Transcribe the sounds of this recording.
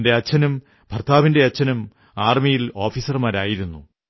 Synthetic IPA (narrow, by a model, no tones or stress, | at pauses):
nde̞ɐt͡ɕːɐnɐm | bʱɐrt̪ʰaːʋinde̞ɐt͡ɕːɐnɐm | aːrmijilo̞ːfiːsɐrmaːɾaːjiɾunːu